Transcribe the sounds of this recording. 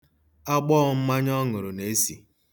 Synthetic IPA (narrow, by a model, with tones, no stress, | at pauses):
a˦ɡ͡bɔː˦˨m̩˦ma˦ɲɔ˦ŋʊ˨ɾʊ˨ne˨˦si˨